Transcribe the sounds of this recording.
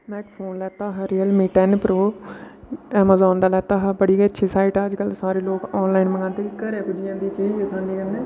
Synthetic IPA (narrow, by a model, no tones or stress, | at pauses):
mɛ̃ːkpʰoːnlɛːt̪aːɦəɾiːəlmiʈɛːnpɾoː | ɛːmaːzaːnd̪aːlɛːt̪aːɦbəɽiːətːʃʰiːsaːɪʈəd͡ʒkəlsaːɾeːloːkɔːnlaːinməŋãːt̪eːkəɾeːkʊd͡ʒijãːnd̪iːt͡ʃiːd͡ʒəsãːnd̪iːkənd̪eː